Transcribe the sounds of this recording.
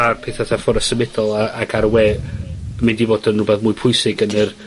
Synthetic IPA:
apʰeːθaθafɔɾəsəmɪdɔlˠaaɡaɾəwɛ | mɪndivoːdənrʊbɛθmʊːɨpʰʊjsɪɡənər

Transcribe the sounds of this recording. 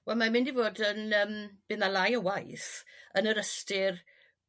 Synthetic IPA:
wɛlˠmamɪndivoːdənəːmb̥ɪnalˠajəwajθənəɾəstɪr

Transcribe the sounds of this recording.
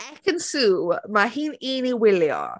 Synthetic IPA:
ɛkənsumaɦininiwɪljɔ̰

